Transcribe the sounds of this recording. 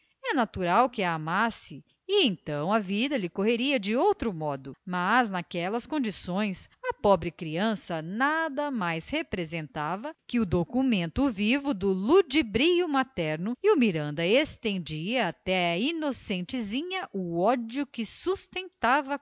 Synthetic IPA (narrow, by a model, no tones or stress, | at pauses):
ɛnat̪uɾawkɪɐːmasɪ | iẽt̪ɐ̃w̃ɐvid̪ɐlɪkoɦeɾiɐd͡ʒɪowt̪ɾʊmɔd̪ʊmaznakɛlɐskõd͡ʒisõj̃sɐpɔbɾɪkɾiɐ̃sɐnad̪ɐmajshepɾezẽnt̪avɐkɪʊd̪okumẽnt̪ʊvivʊd̪ʊlud͡ʒibɾijʊmat̪ɛɾnʊiʊmiɾɐ̃nd̪ɐest̪ẽnd͡ʒiɐːt̪ɛɐinosẽnt͡ʃɪzĩɲɐʔʊɔd͡ʒjʊkɪsust̪ẽnt̪avɐ